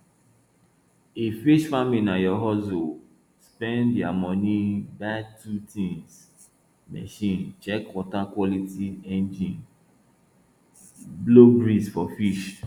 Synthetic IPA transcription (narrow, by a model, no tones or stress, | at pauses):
efiʃfaminajɔɦɔso | spɛ̃ndjamɔnibatʰutĩŋs | mɛ̰ʃĩnt͡ʃɛkwɔtakwɔlitiɛ̃nd͡ʒĩn | blobɾisfɔfiʃ